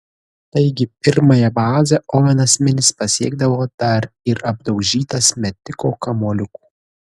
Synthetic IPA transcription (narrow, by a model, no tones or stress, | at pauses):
t̪ɐɪɡʲɪpʲɪɾmɐjɛbɑːzʲɛʔɔʋʲɛnɐsʲmʲɪnʲɪspɐsʲiɛɡ̚d̪ɐʋoːd̪̥ɐɾɪɾɐb̚d̪ɒʊʒʲiːt̪ɐsmʲɛt̪ʲɪkoːkɐmolʲʊku̥ː